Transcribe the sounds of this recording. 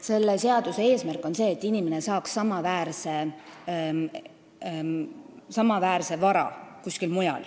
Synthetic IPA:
se̞lːese̞ɑd̪̥use̞e̞ːsmærkːˑo̞nse̞ːt̪ːinimene̞sɑːksːɑmɑvæːɾse | sɑmɑvæːɾse̞vɑɾɑ̰kuskilmujɑ̰l

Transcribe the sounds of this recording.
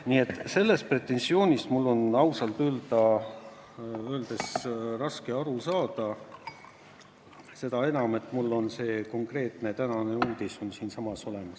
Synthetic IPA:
nie̞t̪ːˑse̞lːe̞st̪̚pre̞t̪ːˑe̞nsio̞ːnʲist̪mulːo̞nɑwsɑlt̪øːld̪̥ɑ | øːld̪̥e̞srɑske̞ɑɾusɑːd̪̥ɑ | se̞d̪ɑe̞nɑme̞t̪ːˑmulːo̞nse̞ːko̞ŋkre̞ːt̪net̪ænɑne̞uːd̪̥iso̞nsiːnsɑmɑso̞le̞mɑs

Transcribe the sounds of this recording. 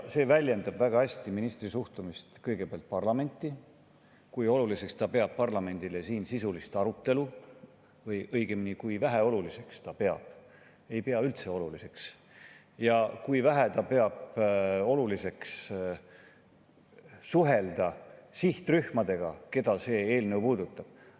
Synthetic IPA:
se̞ːvælʲje̞nd̪̥ɑb̥væɡ̥ɑæsʲt̪iminist̪risuht̪umist̪kɤjɡ̥e̞peɑlt̪̚pɑrlɑme̞nʲt̪ˑːi | kujo̞lulise̞kst̪ɑpe̞ɑb̥̚pɑrlɑme̞nʲd̪̥ile̞siːnsisulist̪ɑɾut̪ːe̞lu | vɤjʔɤjɡ̥eminikujvæɦeo̞lulise̞kst̪ɑpe̞ɑ̰b̥̚ | e̞jpe̞ɑylt̪se̞o̞lulise̞ks | jɑkujvæɦet̪ɑpe̞ɑb̥o̞lulise̞ks | suɦe̞ld̪ɑsiht̪ryhmɑd̪̥e̞ɡ̥ɑ̰ke̞d̪̥ɑse̞ːeːlne̞wpuːd̪ut̪ːˑɑb̥

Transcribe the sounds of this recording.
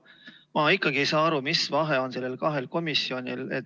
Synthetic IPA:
mɑikːˑɑɡ̥ie̞jsɑːɑɾumisvɑɦe̞o̞nse̞lːe̞lkɑɦe̞lko̞misːio̞nʲḭle̞̰t̪

